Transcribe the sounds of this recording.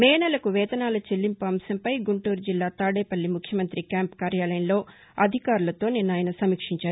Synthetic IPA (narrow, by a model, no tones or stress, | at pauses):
mɛːnɐlɐkuʋɛːd̪ɐnaːlɐt͡ʃelːimpuɐmsɐmpɐjɡuɳʈuːɾd͡ʒilːaːt̪aːɽɛːpɐlːimukʰjɐmɐnt̪ɾikaːmpkaːɾjaːlɐjɐnlo̞ː | ɐd̪ʱikaːɾulɐt̪o̞ːninːaːjɐnɐsɐmikʂiɲt͡ʃaːɾu